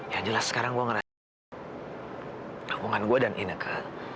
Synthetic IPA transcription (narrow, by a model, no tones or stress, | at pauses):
jad͡ʒəlasːə̥kaɾaŋɡuaŋəɾa | kabuŋanɡuadanʔinəkʰə